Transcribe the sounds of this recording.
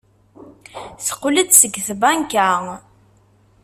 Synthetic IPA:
sə̥qʊlət͡ssəɡθbaŋka

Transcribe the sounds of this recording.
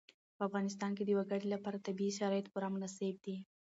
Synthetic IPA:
pəafɣɑnɪs̬t̪ɑnked̪əjwaɡaɽilapɑɾat̪abiiʃaɾɑjɪt̪pʊɾɑmʊnaseb̚d̪i

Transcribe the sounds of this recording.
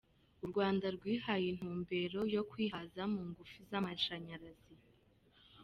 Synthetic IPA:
uɾɡwaːndaɾɡwiːhajin̥huːmbe̞ɾo̞jo̞kwiːhazamuŋɡufizamaʃaɲaɾazi

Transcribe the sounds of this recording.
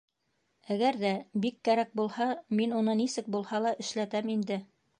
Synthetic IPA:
æɡæɾðæbikːæɾæk̚bulˠhɑminunɤnisɘk̚bulˠhɑlˠɑʔɘ̆ʃlæt̪æmind̪ɘ

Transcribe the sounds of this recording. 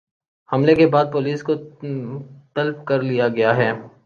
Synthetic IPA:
hɐmlekebaːd̪̚poːliːsko | t̪ɐlfkɐɾlijaɡɐjaɦɛː

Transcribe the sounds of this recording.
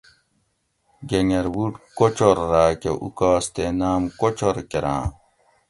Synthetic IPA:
ɡeŋeɾbuɖkot͡ɕoɾːaːkeʔṵkaːst̪enaːmkot͡ɕoɾkeɾã̰ː

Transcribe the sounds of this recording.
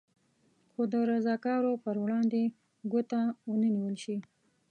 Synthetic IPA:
xod̪əɾazɑkɑɾopəɾwɽɑnd̪e | ɡət̪awənəniwəlʃi

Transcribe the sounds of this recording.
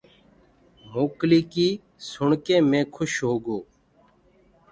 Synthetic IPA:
moːkliːkiː | sʊɳkẽːmẽːkʰʊʃɦoːɡoː

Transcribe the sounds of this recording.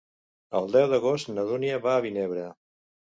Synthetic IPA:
əlˠd̪ɛwðəɣost̪nəðuniəβaːβineβɾə

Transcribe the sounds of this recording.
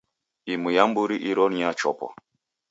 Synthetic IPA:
imujambuɾiʔiɾɔnjat͡ʃɔpɔ̰

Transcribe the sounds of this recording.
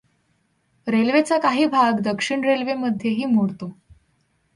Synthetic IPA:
ɾelʋet͡sakaɦiːbʱaɡd̪əkʂiɳɾelʋeməd̪ʱːjeɦiːmoɽt̪o

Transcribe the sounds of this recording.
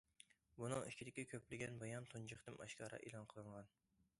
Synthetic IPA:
bunɨŋikʲʰid̪ɪkʲɛkʲʰøplɪɡʲɛnbɑjɑnt̪ʰund͡ʒɨχt̪ɨmʔɑ̰ʃkʲɑːɾɑ̰ʔelˠɑnqʰəlˠɨŋʁɑn

